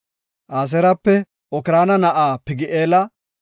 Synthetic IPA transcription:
ʔaːs̬ɛɾɐpːɛ | ɔkɪɾaːnɐnɐʔaːpɪɡɪʔeːlɐ

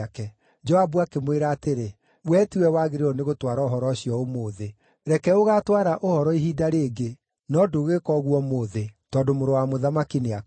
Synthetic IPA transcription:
akɛ | d͡ʒɔabuakemweɾaːteɾe | wɛːtiwɛwaɣeɾeɔneɣotwaɾɔoɦɔɾɔɕiɔomoːðe | ɾɛkɛoɣatwaɾaʔohɔɾɔiɦidaɾeːɡe | nɔdoɣekɔɣwɔmoːðetɔːdomoɾowamoðamakinea

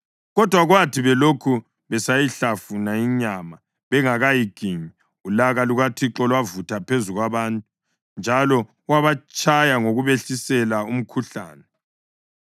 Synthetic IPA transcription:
ɣɔd̥ʱwaɣwatʰiβɛlokʰu | βɛsajiɬafunaiɲama | βɛŋaɣajiɡ̥ʱiɲi | ulaɣaluɣatʰiǁɔlwavutʰapʰezuɣwaβaːntʼu | nd͡ʒʱalɔ | waβat͡ʃʼʰajaŋoɣuβeɬisɛlaum̩kʰuɬa̰ːnɛ

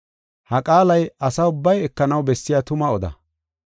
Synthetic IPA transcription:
hɐkʼaːlɐjɐsɐʊbːɐjɛkːɐnɐwbɛsːɪjat̪ʊmɐɔd̪ɐ̰

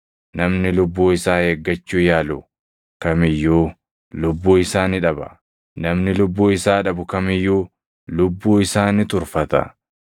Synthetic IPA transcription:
nɐmnɪlʊbːuːɪsaːheːɡːɐt͡ʃːuːjaːlʊ | kɐmɪjːuː | lʊbːuːɪsaːnɪᶑɐbɐ̰ | nɐmnɪlʊbːuːɪsaːᶑɐbʊkɐmɪjːuː | lʊbːuːɪsaːnɪt̪ʊɾfɐt̪ɐ̰

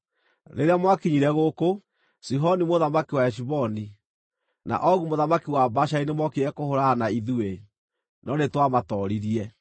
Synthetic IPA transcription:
ɾḛɾeamwakiɲiɾɛɣoko | siɦɔnimoðamakiwaɛʃ̬iβɔni | na̰ʔɔɣumoðamakiwabaʃainemɔkiɛkohoɾaːnaiðue | nɔnetwamatɔɾiɾiɛ

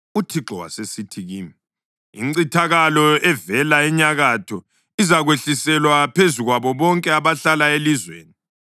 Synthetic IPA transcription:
utʰiɡ͡ǃʱɔwa̰sesitʰiɣiːmi | ḭŋ͡ǀitʰaɣalɔɛvɛlaɛɲaɣatʰɔ | izaɣweɬisɛlwapʰezuɣwaβɔβɔŋkʼɛaβaɬalaelizwḛːni

